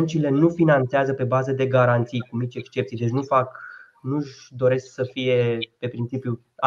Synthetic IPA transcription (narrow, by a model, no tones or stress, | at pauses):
nt͡ʃile̞nufinant̪seazəpe̞bazəd̪e̞ɡaɾant̪sijkunit͡ʃe̞kst͡ʃe̞p̚t̪sjd̪e̞t͡ʃʲnufak | nuʒd̪o̞ɾe̞sksəfije̞pe̞pɾint͡ʃipju | a